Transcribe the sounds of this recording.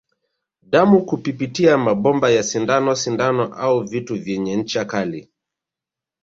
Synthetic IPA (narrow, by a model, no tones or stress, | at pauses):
ɗamukupipitiamaɓɔmbajasindanɔsindanɔʔauvituvjɛɲɛɲ̩t͡ʃakali